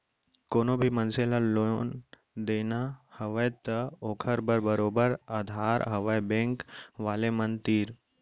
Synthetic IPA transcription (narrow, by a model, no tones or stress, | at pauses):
koːnobʱimənselaloːn | d̪eːnahəʋəjt̪əoːkʰəɾbəɾbəɾoːbəɾaːd̪ʱaːɾɦəʋəjbẽːŋkʋaːlemənt̪iːɾ